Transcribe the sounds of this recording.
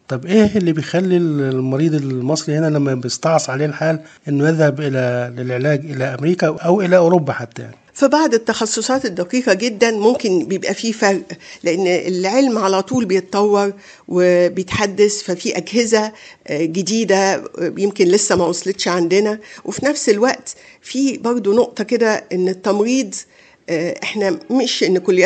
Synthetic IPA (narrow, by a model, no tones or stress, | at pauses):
t̪ˤɑbʔeːelːibejxælːilmɑɾiːd̪ˤelmɑsˤɾihenælæmːæbeest̪ɑʕsˤʕaleːlħaːlʔenːʊʔæðhæbʔelælelʕelæːɡʔelæʔæmɾiːkæʔæwʔelæʔoːɾobːæħat̪ːæ̰ja̰ʕni̥fibaʕd̪ˤet̪ːɑxɑsˤːosˤɑːt̪ed̪ːæqiːqɑɡed̪ːænmomkenbejebʔæfiːfɑɾʔleʔenːelʕelmʕalæt̪ˤuːlbejet̪ɑˤt̪ˤːɑwːɑɾˤ | webejet̪ħad̪ːæsfæfiːʔæɡhezæɡed̪iːd̪æjemkenlesːæmæwɑsˤɑlet̪ʃʕand̪enæwʔefinæfselwæʔt̪ | fiːbɑɾˤd̪ˤonoʔt̪ˤɑked̪æʔenːet̪ːɑmɾiːd̪ˤ | ʔeħnæmeʃʔenːkolː